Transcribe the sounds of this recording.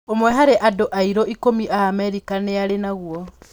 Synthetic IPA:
omwɛɦaɾeʔadoʔaiɾoikomiʔaːmɛɾikaneaɾenaɣuɔ

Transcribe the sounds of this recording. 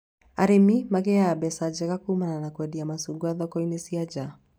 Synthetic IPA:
aɾɛmimaɡɛaːbɛsad͡ʒɛkakumananakwɛdiamasuɡuaðɔkɔinɛsiad͡ʒa

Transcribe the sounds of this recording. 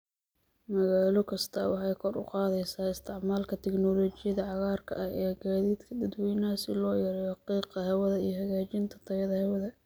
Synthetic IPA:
mɐɣaːlɔkʰɐst̪ʰɐ̰wɑħɑjkʰɔrʊ̰qɑːðɛjsaːɪst̪ʰɪʕmaːlkʰɐt̪ʰɛknɔːlɔːt͡ʃɪjɐðɐʕɑɣaːrkʰɐ̰ʔɐhɛːɡaːðiːd̪kʰɐd̪ɐd̪wɛjnɐsɪlɔːjɛɾɛjɑqiːqɐɦɛwɐðɐijɔɦɐɣaːt͡ʃɪnt̪ʰɐ̥t̪ʰɐjɐðɐhɛwɐðɐ

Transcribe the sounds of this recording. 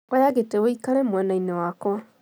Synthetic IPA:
ojaɣetewoikaɾɛmwɛnainewakwɔ

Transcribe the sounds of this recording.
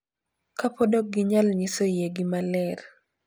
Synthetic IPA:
kapɔdɔk̚ɡɪɲalɲɪsojeɡɪmalɛr

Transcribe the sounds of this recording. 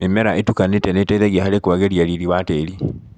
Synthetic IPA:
emɛɾaʔetukanetɛnetaiðɛɣiahaɾekwaɣeɾiaɾiɾiβateɾi

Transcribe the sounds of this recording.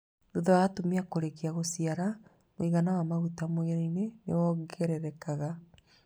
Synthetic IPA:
uðawatomiakoɾekiaɣosiaɾa | moiɣanawamaɣutamoeɾainenḛwɔɡɛɾɛɾɛkaɣa

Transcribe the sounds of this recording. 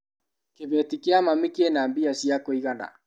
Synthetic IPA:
keβɛtikeamamekeenambiasjakoiɣana̰

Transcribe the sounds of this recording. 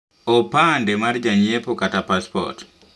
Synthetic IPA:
ɔpandɛmaɾd͡ʒaɲiɛpɔkatapaspɔ̰t

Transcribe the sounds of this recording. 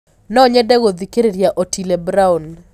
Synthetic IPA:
nɔɲɛdɛɡod̪ikeɾeɾjaʔotʰilebɾaun

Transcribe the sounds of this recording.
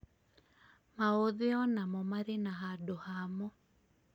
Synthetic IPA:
maoðeɔnamɔmaɾenaɦadohamɔ

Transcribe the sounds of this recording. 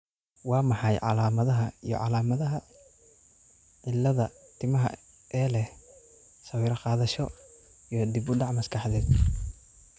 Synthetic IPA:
wɑːmɑħɑjʕɑ̰laːmɐðɐɦɐijɔ̰ʕɑ̰laːmɐðɐɦɐ | ʕɪlːɐðɐ | t̪ʰɪmɐɦɐ̰ | ʔɛːlɛh | sɐwiːɾɐqɑːðɐʃɔ | ijɔd̪ɪbʊɖɑʕmɐskʰɑħðɛːd̪

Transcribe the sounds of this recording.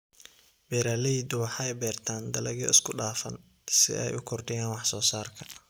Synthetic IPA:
bɛːɾaːlɛid̪ʊwɑħɑɛjbɛːrt̪ʰaːnd̪ɐlɐɣɔ̰ɪskʰʊɖaːfɐn | sɪ̰ʔɛ̰jʊkʰɔrɖɪjaːnwɑħsɔːsaːrkʰɐ̥

